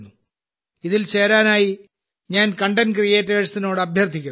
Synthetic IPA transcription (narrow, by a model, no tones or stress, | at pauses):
nːu | iðilt͡ɕe̞ːɾaːnaːji | ɲaːnkɐɳɖɐnkrijeːtːeːɻsino̞ːɽɨɐbʱjɐrt̪ʰːikʲːun